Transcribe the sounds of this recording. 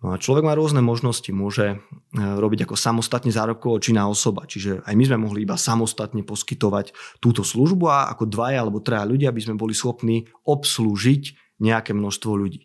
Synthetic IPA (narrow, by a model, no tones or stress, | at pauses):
nɔat͡ʃlɔʋɛɡmaːɾʊɔznɛmɔʒnɔscimʊɔʒɛ | ɾɔbiɟakɔsamɔst̪at̪ɲɛzaːɾɔp̚kɔɔt͡ʃinaːɔsɔbat͡ʃiʒɛajmizmɛmɔɦliibasamɔst̪at̪ɲɛpɔskit̪ɔʋact̪uːt̪ɔsluʒbuaa̰kɔd̪ʋajalɛbɔt̪ɾɛaʎuɟɪabizmɛbɔlisxɔpniː | ɔpsluːʒic | ɲɛakɛmnɔʃst̪ʋɔʎuɟiː